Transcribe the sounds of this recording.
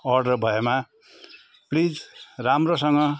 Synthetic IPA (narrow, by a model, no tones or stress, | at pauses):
ʌrɖʌrbʱʌema | plid͡zramrosʌŋɡʌ